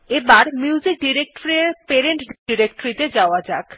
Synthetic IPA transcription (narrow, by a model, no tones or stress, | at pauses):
ebaɾmjuud͡ʑik̚ɖiɾek̚ʈoɾeɾpeɾeɳʈɖiɾekʈoɾit̪ed͡ʑaoad͡ʑak